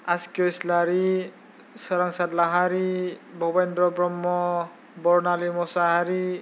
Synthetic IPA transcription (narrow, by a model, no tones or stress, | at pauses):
askɔjslaɾi | sɔɾaŋsatlaɦaɾibʱɔbendɾɔbɹɔmːɔ | bɔɹnalimɔsaɦaɾi